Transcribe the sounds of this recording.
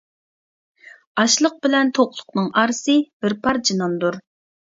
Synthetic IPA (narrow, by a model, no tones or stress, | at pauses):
ɑʃlˠəq̚bɪlɛnt̪ʰoqlˠʊ̥qnɨŋʔɑɾsɨb̥ɪɾpʰɑɾd͡ʒinɑnd̪uɾ